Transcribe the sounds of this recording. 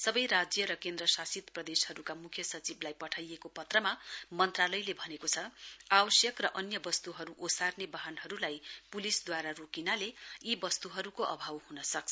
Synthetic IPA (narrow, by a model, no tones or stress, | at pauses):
sʌbʌjɾad͡zjʌɾʌkend̪rʌsasit̪prʌd̪eshʌɾukamukʰjʌsʌt͡siblajpʌʈʰajekopʌt̪rʌmamʌnt̪ralʌjlebʱʌnekot͡sʰʌawʌsjʌkrʌʔʌnjʌbʌst̪uɦʌɾuʔosarnebaɦanɦʌɾulajpulisd̪waɾarokinaleibʌst̪uɦʌɾukoʔʌ̰bʱawhunʌsʌk̚t͡sʰʌ